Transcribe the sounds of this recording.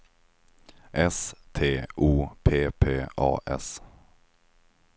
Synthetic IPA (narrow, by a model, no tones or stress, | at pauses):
ʔɛst̪ʰeːʔuːpʰeːpʰeːɑ̰ːʔɛ̰s